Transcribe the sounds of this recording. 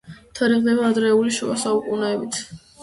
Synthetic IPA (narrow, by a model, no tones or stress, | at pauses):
t̪ʰaɾiʁd̪ɛbaːd̪ɾɛuliʃua̰saukʼunɛːbit̪ʰ